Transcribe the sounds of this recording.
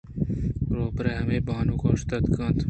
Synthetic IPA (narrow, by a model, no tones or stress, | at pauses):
ɾoːpɾehɐmebɑːnukoːʂt̪ɐt̪kʰɑːnt̪